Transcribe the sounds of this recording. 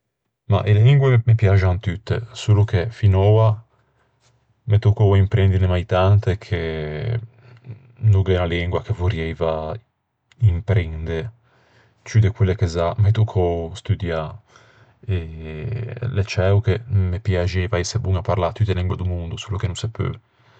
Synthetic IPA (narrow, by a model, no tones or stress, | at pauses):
ma̰ʔeliŋɡwemepjad͡ʒant̪yt̪ːḛsulukʰefinɔːa | met̪ukoimpɾɛnd̪ilemajt̪ant̪ekʰe | nuɡɛnaliŋɡwakevuɾjɛjva | impɾind̪e | t͡ʃyd̪ekwelːekezamet̪ukʰost̪yd̪ja | ɛ | let͡ʃɛwkemepjad͡ʒɛjvaɛsebuŋapaɾlat̪ːyt̪ːeliŋɡwed̪umund̪usulukenunsɛpːy̰